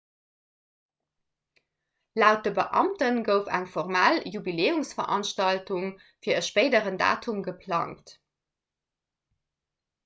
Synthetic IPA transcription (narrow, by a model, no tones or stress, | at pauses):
laʊt̚d̥əbəʔɑ̰mtənɡəʊfæŋfɔʁmaːljubileːumsfɐʁʔɑnʃtɑltuŋ | fiːɐəʃpeɪdəʁənda̰ːtʰumɡəpʰlɑ̰ŋt